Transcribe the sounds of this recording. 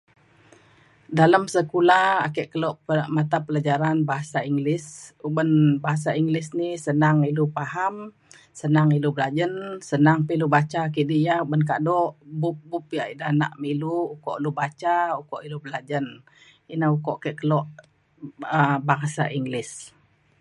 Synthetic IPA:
daləmsəkulaakɛʔkəlɔʔpəmat̪apəlad͡ʒaɾanbaɦasaiŋɡlɪsubənbaɦas̬aiŋɡlisnihsənaŋilupaɦam | sənaŋilubəlad͡ʒənsənaŋpilubat͡ʃaːk̬iʔdijaubənk̬a̰dɔʔbup̚bupiaʔidana̰ʔmiluːkɔʔlubat͡ʃaukɔʔilubəlad͡ʒən | inahukɔʔakɛʔkəlɔʔ | əbaŋsa̰ʔiŋɡlɪs

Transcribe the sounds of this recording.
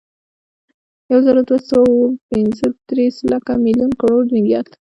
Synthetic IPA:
jawzaɾod̪wasawpɪnzəd̪̥ɾeslakamiljunkaɽoɾnɪwjɑ̰t̪

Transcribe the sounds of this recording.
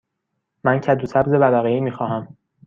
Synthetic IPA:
mæncʰæd̪usʰæbze̞bælæɣeiːmiːxɒːɦæm

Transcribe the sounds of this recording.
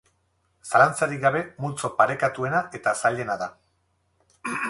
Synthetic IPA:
salant͡saɾiɡaβe̞mult͡sopaɾe̞kat̪ue̞naʔe̞t̪asaʎe̞naða

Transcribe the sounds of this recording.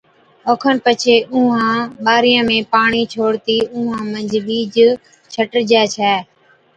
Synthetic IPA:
oːkʰənpət͡ʃʰeːʔʊ̃ːɦãːɓaːɾɪjãːmẽːpaːɳiːt͡ʃʰoːɽt̪iːʊːɦãːmə̃ɲd͡ʒʱɓiːd͡ʒ | t͡ʃʰəʈd͡ʒɛːt͡ʃʰɛː

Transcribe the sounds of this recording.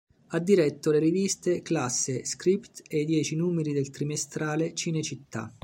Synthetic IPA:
ad̪ːiɾɛt̪ːoleɾivist̪eklasːeskɾipt̪eid̪jɛːt͡ʃinuːmeɾid̪elt̪ɾimest̪ɾaːlet͡ʃinet͡ʃit̪ːa̰

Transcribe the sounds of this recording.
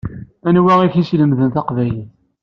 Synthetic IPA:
ænwæʁiçisləmðənθɑqvæjiθ

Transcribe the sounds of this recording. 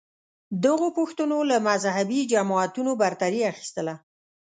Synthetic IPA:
d̪əɣopʊxt̪ənolamazhabid͡ʒamɑat̪unobaɾt̪aɾiaxi̥st̪əla

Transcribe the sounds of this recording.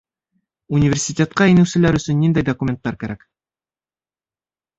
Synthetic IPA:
unʲivʲersʲitʲet̪qɑinɘ̆wsɘ̆læɾɵ̆sɵnːind̪æjd̪okumʲent̪ːɑɾkæɾæk

